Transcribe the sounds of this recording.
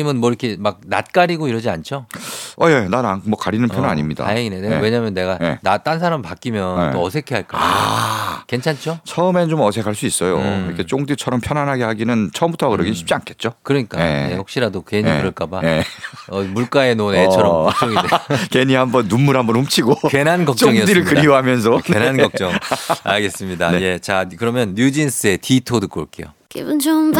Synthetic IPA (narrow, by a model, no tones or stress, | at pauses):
imɯnmwʌiɾʌkʰe̞mak̚na̰t̚k͈aɾiɡoiɾʌd͡ʑiant͡ɕʰoʌjenanamwʌkaɾinɯnʰjʰonna̰ɲimɲida̰aeŋineneweɲaɦmjʌnːe̞ɡaenat͈ansʰaɾampak͈imjʌnt͈oʌsʰe̞kʰeɦaɭk͈a̰ | ke̞nt͡ɕʰant͡ɕʰot͡ɕʰʌɯme̞t͡ɕomʌsʰe̞kʰaɭs͈uis͈ʌjo̰iɾʌkʰet͡ɕ͈oŋdit͡ɕʰʌɾʌmpʰjʌnanɦaɡehaɡinɯnt͡ɕʰʌɯmbutʰʌkɯɾʌɡinɕʰi̥p̚t͡ɕ͈iankʰe̞t̚t͡ɕ͈okɯɾʌɲik͈aejehokɕ͈iɾadokeɲikɯɾʌɭk͈abajeʌmuɭk͈ae̞nonet͡ɕʰʌɾʌmt͡ɕ͈oŋidekeɲiɦambʌnːumːuɾɦambʌnumt͡ɕʰiɡokenankʌkt͡ɕ͈ʌŋiʌdiɾɯɭkɯɾioɦamjʌns̬ʰʌkenanɡʌk̚t͡ɕ͈ʌŋa̰ɭɡe̞s͈ɯmɲidaneje̞t͡ɕakɯɾʌmjʌnːjud͡ʑins͈ɯe̞titʰodɯk͈oɭk͈e̞̰jo̰kḭbund͡ʑom